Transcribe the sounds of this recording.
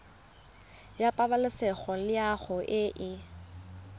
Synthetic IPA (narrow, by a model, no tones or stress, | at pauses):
japʼabalɪsɛχɔlɪaχʊʔɪʔɪ